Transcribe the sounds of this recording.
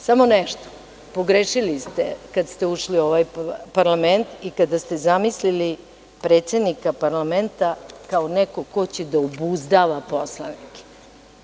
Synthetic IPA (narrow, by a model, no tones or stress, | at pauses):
samo̞nɛʃt̪o̥ | po̞ɡɾeːʃilist̪ḛkad̪st̪e̞uʃlio̞ʋajpaɾlˠament̪ikad̪ast̪ezamislili | pɾeːt̪se̞d̪nikapaɾlament̪akaonɛko̞kot͡ɕed̪aobuzd̪aʋaposlˠa̰nike̥